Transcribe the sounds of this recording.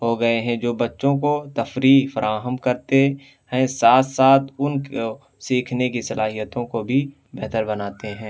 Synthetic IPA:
ɦoɡɐeɦɛ̃d͡ʒoːbɐtːʃõkot̪ɐfɾiːkfɐɾʔaːɦəmkɐɾt̪e | hɛ̃saːt̪saːt̪ʰʊnko | siːkʰnekisɐlaːɦijət̪õkobʱi | bɛɦt̪əɾbɐnaːt̪eɦɛ̃ː

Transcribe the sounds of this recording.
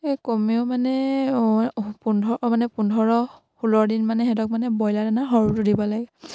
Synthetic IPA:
komeʊmanɛ | pundʱɔɔmanɛpundʱɔɹɔ | xulɔɹdinmanɛɦɛdɔk̚manɛbɔjladanaɦɔɹutudibɔlaɡɛ

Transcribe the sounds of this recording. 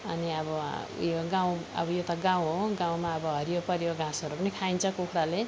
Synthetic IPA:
ʌniʌbʌjoɡãw̃ʌ̰bʌjot̪ʌɡaw̃ɦoɡãw̃maʌbʌɦʌɾijopʌɾjoɡãsʌɾupʌnikʰaint͡sʰʌkukʰɾale

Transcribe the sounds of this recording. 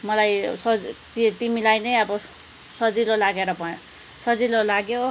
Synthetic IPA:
mʌlajsʌt̪it̪imilajnʌjʌbʌ | sʌd͡zilolaɡeɾʌbʌ | sʌd͡zilolaɡjo

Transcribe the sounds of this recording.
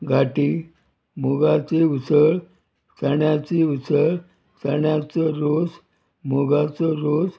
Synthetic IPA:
ɡʱaʈiː | moɡat͡seut͡səɭ | t͡səɳjat͡seut͡səɭ | t͡səɳjat͡səɾod͡z | moɡat͡sɔɾod͡z

